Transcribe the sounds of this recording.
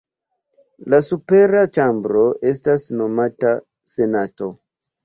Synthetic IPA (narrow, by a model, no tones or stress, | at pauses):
lasupe̞ɾat͡ʃambɾo̞ʔe̞stasno̞mata | se̞nato̞